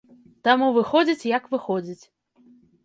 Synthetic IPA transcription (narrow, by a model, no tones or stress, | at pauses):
t̪amuvɨxɔd͡zʲit͡sʲjɐkvɨxɔd͡zʲit͡sʲ